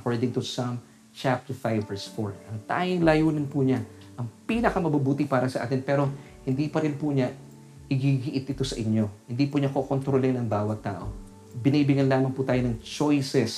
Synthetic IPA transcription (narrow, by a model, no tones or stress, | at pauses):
ʔɐkoɹd̪ɪŋt̪usam | t͡ʃap̚t̪ɛɹfajbːɛɹsfoɹʔɐŋt̪a̰ːjɪŋlɐjuːnɐnpuɲaʔɐŋpiːnɐkɐmɐbɐbuːt̪ɪpaːɾɐsɐʔa̰ːt̪ɪnpɛːɾo̞ | hɪnd̪iːpɐɾɪnpuɲɐ | ʔɪɡiɡɪʔɪt̪ʔɪt̪o̞sɐʔɪɲːo̞hɪnd̪iːpuɲakokont̪ɾolɪnɐŋbaːwɐt̪ːa̰ːʔo̞̰ | bɪniːbɪɡɐnlaːmɐŋpuːt̪aːjonɐŋt͡ʃojsɛs